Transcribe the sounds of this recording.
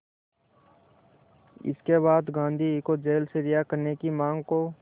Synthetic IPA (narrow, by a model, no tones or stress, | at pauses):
ɪ̰skeβaːd̪ɡãːnd̪ʱikod͡ʒeːlseɾɪjakəɾnekimãːŋɡko